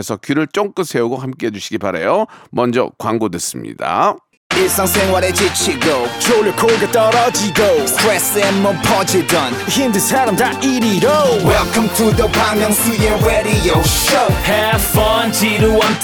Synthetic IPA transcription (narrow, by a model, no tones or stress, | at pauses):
esʰʌkiɾɯɭt͡ɕ͈oŋk͈ɯns͈ʰe̞uɡohamk͈eɦed͡ʒuɕʰiɡiba̰ɾḛjomʌnd͡ʑʌ̰kwaŋɡodwes͈ɯmɲḭd̥a̰ | ɪsãŋsẽŋwaɾed͡ʒɪt͡ʃʰiɡoʊt͡ʃʰoləkʰolɡətɔɾɔd͡ʒiɡoʊkʰɹɛsɛnːʌpʰɔd͡ʒidʌnhimdɨsʰɛɾəmdaiɾiɾowɛlˠkʌ̃mtʰuðəpʰãŋɡãŋsijəɹɛɾijɔʃoʊhɛ̥fʌnd͡ʒʰiɾuwʌ̃n